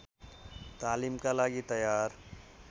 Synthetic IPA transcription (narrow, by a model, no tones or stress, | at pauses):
t̪aːliːmkalaːɡit̪əjaːɾ